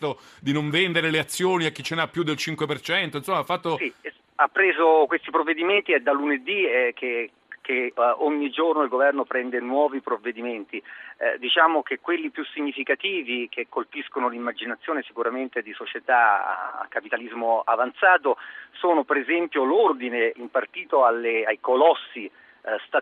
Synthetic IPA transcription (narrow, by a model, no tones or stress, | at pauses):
t̪o | d̪inoɱvɛnd̪eɾeleat̪sːjoːniakːit͡ʃːenapːjud̪elt͡ʃiŋkwepert͡ʃɛnt̪oinsomːafːat̪ːosi | apːɾeːzokwest̪ipɾovːed̪iment̪ied̪alːuned̪ikʰe | kːeoɲːid͡ʒornoilɡovɛrnopɾɛnd̪enwɔːvipɾovːed̪iment̪ḭd̪it͡ʃaːmok̟ekːwelːipjusiɲːifikat̪iːvikekːolpiskonolimːad͡ʒinat̪sːjoːnesikuɾament̪ed̪isot͡ʃet̪aa̰a̰kːapit̪alizmoa̰vant̪saːt̪osoːnopeɾezɛmpjolord̪ineimpart̪iːt̪oalːeajkolɔsːi | st̪a